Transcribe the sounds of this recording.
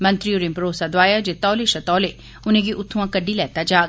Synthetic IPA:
mɐ̃nt̪ɾioːɾɪ̃mpɾoːsad̪waːjad͡ʒet̪ɔːleʃɐt̪ɔːle | ʊn̤ẽɡiʔʊt̪ʰːuãkɐɖʱilɛːt̪ad͡ʒaː

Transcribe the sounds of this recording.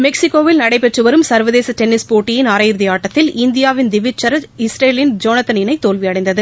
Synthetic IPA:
mɛksɪkːoːʋɪlnɐɽɐɪpɛʈrɯʋɐɾɯmsɐɾʋɐðeːsɐt̪ɛnɪspoːʈːɪjɪnaɾɐjɪɾðɪjaːʈːɐt̪ːɪlɪnd̪ɪjaːʋɪnd̪ɪʋɪt͡ʃːɐɾɐɪsɾeːlɪnd͡ʒoːnɐt̪ːɐnɪnɐɪt̪ːoːlʋɪɐɽɐɪnd̪ɐðɯ

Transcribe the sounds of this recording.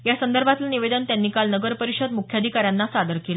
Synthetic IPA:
jasənd̪əɾbʱat̪laniʋed̪ənt̪janːiːkalnəɡəɾpəɾiɕəd̪mukʰjad̪ʱikaɾjanːasad̪əɾkela

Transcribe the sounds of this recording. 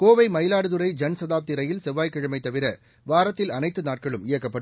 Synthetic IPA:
koːʋɐɪmɐjlaːɽɯðɯɾɐɪd͡ʒɐnsɐðaːp̚t̪ɪɾɐjɪlsɛʋːaːjkːɪɻɐmɐɪt̪ːɐʋɪɾɐ | ʋaːɾɐt̪ːɪlɐnɐɪt̪ːɯnaːʈ̚kɐɭɯmɪjɐkːɐpːɐɽɯ

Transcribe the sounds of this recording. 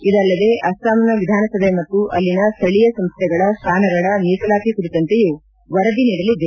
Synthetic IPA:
id̪ɐlːɐd̪e̞ʔɐst̪aːmɐnɐʋid̪ʱaːnɐsɐb̪ʱemɐt̪ːuʔɐlːinɐst̪ʰɐɭijɐsɐmst̪ʰɛɡɐɭɐst̪ʰaːnɐɡɐɭɐniːsɐlaːkikuɾit̪ɐnt̪eju | ʋɐɾɐd̪iniːɽɐlid̪e

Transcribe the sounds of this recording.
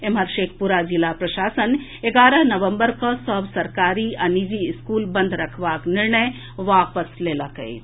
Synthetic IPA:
eməɾʃeːk̚ʰpuɾad͡ʒɪlapɾɐʃaːsən | eɡaːɾəɦnɐʋə̃mbəɾkasəbsɐɾkaːɾiɐnid͡ʒiɪskuːlbə̃nd̪ʱɾɐkʰʋaːknɪɾɳəj | ʋaːpəsleːlakə̰ḛː

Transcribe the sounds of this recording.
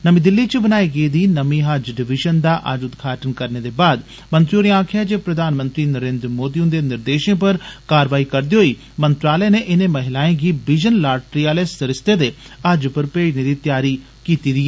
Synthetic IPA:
nəmĩːd̪ɪlːiːt͡ʃəbənaːiːɡəiːd̪iːnəmĩːɦəd͡ʒɖɪʋɪʒənd̪aːʔəd͡ʒʊd̪ɡʱaːʈənkəɾneːd̪eːbaːd̪ | mənt̪ɾiɦoːneaːkʰɪjaːd͡ʒeːpɾəd̪aːnmə̃nt̪ɾiːnəɾẽːnd̪ɾmoːd̪iːʊnd̪eːnɪɾd̪eːʃẽːp̬əɾkaːɾʋaːikəɾd̪iɦoiː | mənt̪ɾaːlɛneːʔɪneːməɦɪlaːẽːɡiːbɪd͡ʒənlaːɾʈɾijaːleːsəɾɪst̪eːd̪eːəd͡ʒpəɾpeːneːd̪iːt̪jaːɾiː | kiːt̪iːd̪iɛː

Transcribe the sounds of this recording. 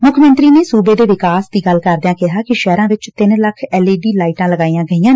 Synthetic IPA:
mʊkʰmə̃nt̪ɾiːneːsuːbeːd̪eːʋɪkaːsd̪iːɡəlkəɾd̪jãːkɪɦaːkɪʃɛːɾãːʋɪt͡ʃt̪ɪnləkʰɛːleːɖiːlaːiʈãːləɡaːiːãːɡəijãː

